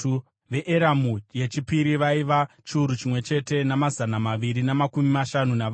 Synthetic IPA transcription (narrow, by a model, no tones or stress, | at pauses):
u | ʋe̞ʔeɾamuje̞t͡ʃipiɾiʋaiʋa | t͡ʃiuɾut͡ʃimwe̞t͡ʃe̞te̞namazanamaʋiɾinamakumimaʃanuna